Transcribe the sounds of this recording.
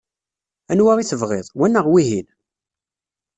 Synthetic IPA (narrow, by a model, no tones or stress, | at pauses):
ænwaʁiθəvʁɪ̰ðˤwænːəʁwiɦin